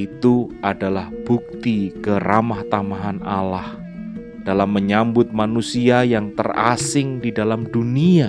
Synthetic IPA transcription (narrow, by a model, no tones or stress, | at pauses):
it̪uadalahb̥uk̚t̪ikəramaht̪amaɦanalah | d̥alamːəɲambʊt̪̚manusiajaŋt̪ə̰ra̰sɪŋdidalamdunia